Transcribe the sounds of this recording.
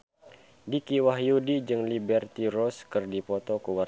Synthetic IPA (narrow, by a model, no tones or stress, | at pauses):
dikiwaɦjudid͡ʒɨŋlibɛrt̪iɾɔskɨrdipɔt̪ɔkuwar